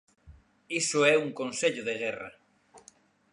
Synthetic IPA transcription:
isoɛuŋkonseʎʊðeɣɛra̰

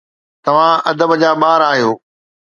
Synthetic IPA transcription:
t̪ɐʋ̤ãɐd̪əbd͡ʑaːɓaːɾaːɦijoː

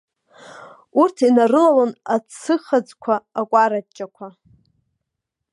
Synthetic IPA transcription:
urtʰinarɨlalonat͡sʰːɨχad͡zkʷʰaːkʷʼaɾat͡ʃːʼakʷʰa

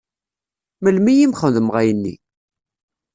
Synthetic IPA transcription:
məlmijimχənðəmʁæjənːḭ

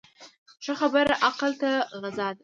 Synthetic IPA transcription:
χʈ͡ʂʰaχabaɾʔaqʰəltʰaʁazadʼ

